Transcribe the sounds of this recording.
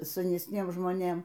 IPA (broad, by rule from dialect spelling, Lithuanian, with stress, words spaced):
sɐnʲɛsʲˈnʲiɛm ʒmoːˈnʲeːm